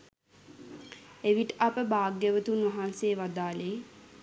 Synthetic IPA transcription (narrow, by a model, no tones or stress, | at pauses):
eʋiʈəʔapəbaːɡːəʋət̪unʋaɦanseːʋad̪aːleː